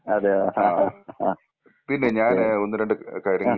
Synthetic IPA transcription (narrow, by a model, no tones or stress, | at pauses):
ɐðeaː | pinːe̞ɲaːno̞nːɨɾeɳɖɨkɐjɾɐŋŋːɐ